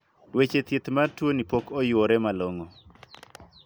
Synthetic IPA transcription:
wet͡ʃet̪et̪martwonipokɔjoɾɛmaloŋo

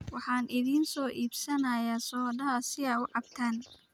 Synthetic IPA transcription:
wɑħɑːnʔɪðiːnsɔːʔiːbsɐnɐjaːsɔːdɐɦɐsɪaːʊʕɑbt̪ʰaːn

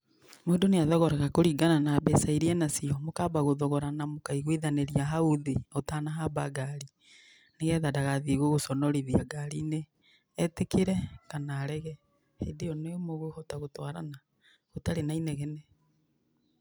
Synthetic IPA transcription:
modoneaðɔɣɔɾaɣakoɾiɡananaːbɛsaiɾiɛnasiɔmokaːbaɣoðɔɣɔɾanamokaiɣwiðaneɾiaɦauðiotanaɦabaɡaɾi | neɣɛðadaɣaðiɣoɣosɔnɔɾiðiaɡaɾineː | tekiɾɛkanaːɾɛɣɛ | hedejɔnemoɣohotaɣotwaɾa̰na | ɣotaɾenainɛɣɛnɛ

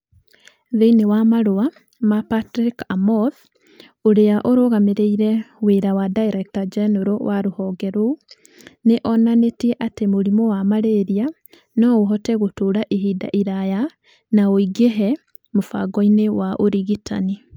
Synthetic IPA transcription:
ðeinewamaɾoa | mapatɾikamɔð | oɾeaʔoɾoɣameɾeiɾɛweɾawadaiɾɛk̚tad͡ʒɛnɔɾowʔaɾohɔːɡɛɾo | neʔɔnanetiɛʔatemoɾimɔwamaɾeɾia | nɔoɦɔtɛɣotoɾaʔiɦida̰ʔiɾaja | naoiɡeɦɛ | mofa̰ɡɔinewaʔoɾiɣitʰa̰ni

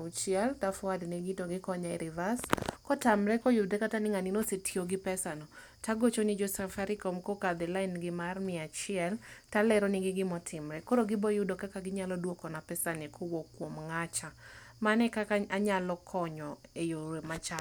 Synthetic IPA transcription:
ut͡ʃɪaltafwadnɛɡɪtoɡɪkɔɲaɛ̰ɾɪvaskɔtamɾɛkɔjʊdɛkatanɪŋaninosetʰioɡɪpɛsanɔ | taɡot͡ʃonɪd͡ʒosɛfaɾɪkomkokad̪ɛlaɪnɡɪmarmɪat͡ʃɪɛltalɛɾɔnɪɡɪɡɪmɔtʰɪmɾɛkoɾoɡɪbɔjʊdokakaɡɪɲalɔdwokɔnapɛsanɛkʰɔwokːwomŋat͡ʃamanɛkakaaɲalɔkʰɔɲɔejoɾemat͡ʃa

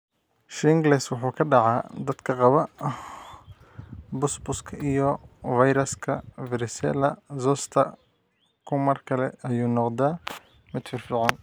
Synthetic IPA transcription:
ʃɪŋɡlɛswʊħuːkʰɐɖɑʕɑːd̪ɐd̪̥kʰɐqɑβɐ | bʊsbʊskʰɐijɔvɐjɾɐskʰɐvɪɾɪsɛ̰lɐzɔst̪ʰɐ̰ | kʰʊmɐrkʰɐlɛɐjuːnɔqd̪aː | mɪd̪fɪrfɪʕɑn

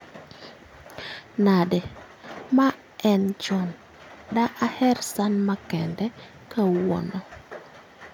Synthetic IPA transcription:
nadɛ | ma | ɛnd͡ʒɔn | daʔahɛɾsanmakɛndɛ | kawo̰nɔ

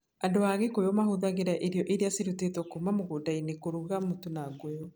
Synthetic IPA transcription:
andoaɣekojɔmaɦoðaɣeɾɛʔeɾeɔʔeɾeaseɾutetɔkomamoɣodainekoɾuɣamotonaɡojɔ

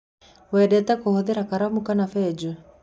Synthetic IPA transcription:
wɛdɛtakɔhɔðɛɾakaɾamukanafɛd͡ʒu

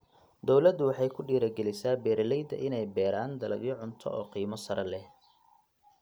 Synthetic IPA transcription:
d̪ɔwlɐd̪ʊwɑħɑjkʰʊɖiːɾɐɡɛlɪsaːbɛːɾlɛjd̪ɐ̰ʔɪnɛjbɛːɾaːnd̪ɐlɐ̰ɡjɪʕʊnt̪ʰɔ̰ʔɔːqiːmɔsɐɾɐlɛh

